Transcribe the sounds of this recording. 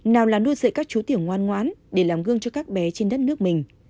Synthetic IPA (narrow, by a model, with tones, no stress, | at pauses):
naː˨˩wlaː˨˩nɗu˧əzə̰ː˧˨jkaː˦˥k̚t͡ɕu˨˦t̪i˧˩əwŋwaː˧nŋwa̰ː˨˦nɗe˧˩laː˨˩mɣɨ˧əŋt͡ɕɔ˧kaː˦˥k̚ɓɛ˨˦t͡ɕe˧nɗə˦˥t̚nɨ˦˥ək̚mï˨˩ŋ̟